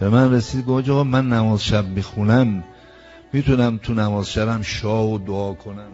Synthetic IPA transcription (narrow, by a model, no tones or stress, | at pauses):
b̥e̞mænresiːd̪̚ɡod͡ʒɒɣɒmænːæmɒːzʃæbmixunæmː | iːt̪ʰunæmt̪ʰunæmɒːzʃæbæmʃɒːhod̪oɒːkʰo̞næm